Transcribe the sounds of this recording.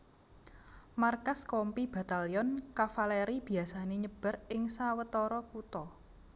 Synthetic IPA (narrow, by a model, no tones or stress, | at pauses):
markaskɔmpib̥a̤t̪aliɔnkafaleɾib̥i̤asaneɲəb̥ə̤rɪŋsawət̪ɔɾɔkut̪ɔ